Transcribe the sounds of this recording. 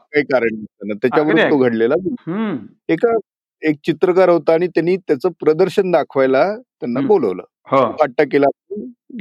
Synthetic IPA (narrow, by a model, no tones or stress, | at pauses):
kaɦikaɾəɳət̪anat̪jat͡ɕaʋəɾoɡʱəɽlelad͡zu | eka | ek̚t͡ɕit̪ɾəkaɾɦot̪aːɽ̃it̪janːiːt̪jat͡səpɾəd̪əɾɕənd̪akʰʋajlat̪janːabolə̰ʋlə̰ː | hokaʈːakelapu